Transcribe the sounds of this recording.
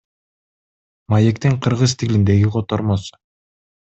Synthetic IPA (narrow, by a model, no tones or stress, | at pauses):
majekt̪iɴqʰɯɾʁɯzt̪ʰilind̪e̞ɡiqʰo̞t̪oɾmosu̥